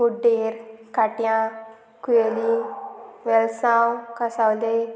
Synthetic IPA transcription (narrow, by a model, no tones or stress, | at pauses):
muɖiɾkaʈjã | kueli | ʋɛlsãwkasawle